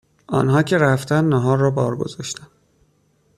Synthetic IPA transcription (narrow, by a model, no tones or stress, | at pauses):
ʔɒ̰ːnɦɒːcʰe̞ɾæft̪ænd̪næɦɒːɾːɒːbɒːɾɡo̞̰zɒːʃt̪æn